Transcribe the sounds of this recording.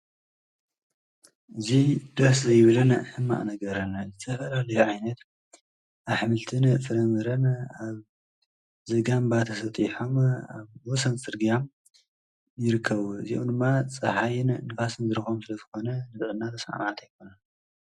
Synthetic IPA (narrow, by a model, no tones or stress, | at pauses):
ʔɨzid̪ɐszɐjβɨlɨnħɨmːa̰ʔnɐɡɐɾɐnzɨt̪ʰɐfɐlalɐjoʕajnɐt̪ | ʔaβħmɨlt̪ʰɨnɨʔfɨɾɐmɨɾɐnaβ | zɐɡambat̪ʰɐsɐt̪ʼiħoma̰βwɔsɐnt͡sʼɨɾɡijam | jɪɾɨkʰːɐβuɨzio̰md̪ɨmːat͡sʼɐħajɪnnɨfasɨnzɨɾɨxomsɨlɐzɨxo̞nɐnɨt̪ʼʔɨnːat̪ʰɐsaʕa̰mʕat̪ʰajkʰo̞nɐn